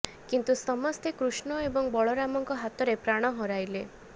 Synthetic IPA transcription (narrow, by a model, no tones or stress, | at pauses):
kint̪usɔmɔst̪ekɾusɳɔebɔŋbɔɭɔɾamɔŋkɔɦat̪ɔɾepɾaɽ̃ɔɦɔɾajle